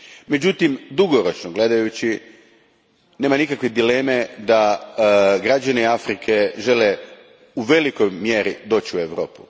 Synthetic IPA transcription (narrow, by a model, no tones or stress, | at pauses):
me̞d͡ʑut̪imd̪uɡoɾot͡ʃnoɡle̞d̪ajut͡ɕi | neːmanikakʋed̪ile̞me̞d̪a | ɡɾad͡ʑaneiafɾikʰe̞ʒe̞le̞ | uʋe̞likojmjeɾid̪o̞ːt͡ɕiueʋɾo̞̰ːpu̥̰